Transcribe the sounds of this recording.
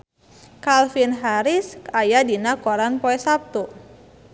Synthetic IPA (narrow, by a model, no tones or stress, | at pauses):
kalfinɦaɾisajadinakɔɾanpɔɛsap̚t̪u